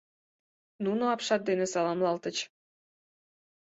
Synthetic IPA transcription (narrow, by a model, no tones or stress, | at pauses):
nunoɑpʃɑt̪̚d̪enesɑlɑmlɑlt̪ət͡ɕ